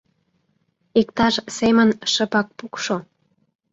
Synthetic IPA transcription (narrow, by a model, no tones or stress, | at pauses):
ik̚t̪ɑʃsemənʃəpɑk̚pukʃo